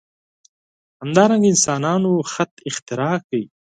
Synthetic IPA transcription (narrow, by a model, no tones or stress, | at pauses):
hamd̪ɑɾaŋɡaɪnsɑnɑnoxat̪ɪxt̪ɪɾɑkawi